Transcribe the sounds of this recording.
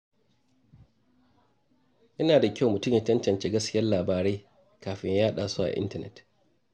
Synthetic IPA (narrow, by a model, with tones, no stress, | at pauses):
ʔɐ˦naː˨da˨kʲa˦wmʊ˨tʊ˦mjɐ˦t͡ʃɐ˦nt͡ʃɐ˨nt͡ʃeː˦ɡɐ˦skʲɪ˦jɐ˦laː˨baː˨ɾeː˦ | kaː˨ɸɪ˦ɲjaː˦ɗaː˨su˦ʔa̰˨ʔɪ̰˦ntɐ˦˨nɛ̰˨t